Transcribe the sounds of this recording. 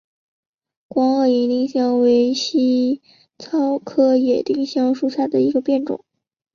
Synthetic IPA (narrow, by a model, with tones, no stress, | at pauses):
kwɑ˧˥ŋə˧˩i˧˥li˥˧ŋɕjɑ˥˩ŋwe˧˥ɪɕi˥ | t͡sʰɑ˥ʊkʰɤ˥jɛ˨˩t̪i˥˩ŋɕjɑ˥ŋʂu˥˩ɕja˥˩d̪ə˩i˧˥ɡə˧pjɛ˥˩nʈ͡ʂʊ̰˨˩˦ŋ